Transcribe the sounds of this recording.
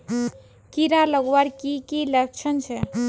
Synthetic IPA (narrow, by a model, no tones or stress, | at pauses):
kiɾaləɡwaɾkikilək̚t͡ʃʰənt͡ʃʰɛ